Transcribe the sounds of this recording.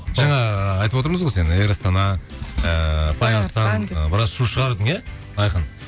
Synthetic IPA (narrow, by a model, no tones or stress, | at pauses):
ʒɑɴɑɑjt̪əpwot̪əɾməzʁose̞neɾɑst̪ɑnɑəpʰɑjɑlˠqt̪ɑnbɪɾɑsʃuʃəʁɑɾd̪əŋe | ɑjqən